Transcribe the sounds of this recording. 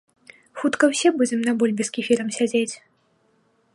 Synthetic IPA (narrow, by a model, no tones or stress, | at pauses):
xut̪kɐwsʲɛbud͡zʲɛmnɐbulʲbʲiskʲifʲiɾɐmsʲad͡zʲet͡sʲ